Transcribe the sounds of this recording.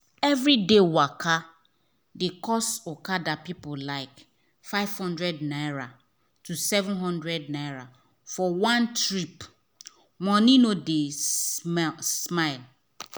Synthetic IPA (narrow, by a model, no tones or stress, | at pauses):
ɛvɾidewaka | dekɔsokadapipʊlaɪk | faɪv̥hɔ̃ndɹɛdnaɪɹa | tusɛvʊ̃nɦɔ̃ndɹɛdnaɪɹa | fɔwãntɹip | wɔ̃ninode | smaɪl